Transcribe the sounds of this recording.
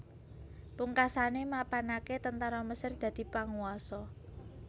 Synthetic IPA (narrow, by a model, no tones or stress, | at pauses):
puŋkasanemapanaket̪ənt̪aɾɔməsərd̪̥ä̤d̪̥i̤paŋuɔsɔ